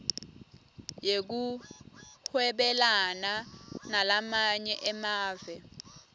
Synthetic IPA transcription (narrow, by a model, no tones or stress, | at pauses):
jek̬u | hʰwɛɓɛlananalamaɲɛʔɛmaːvɛ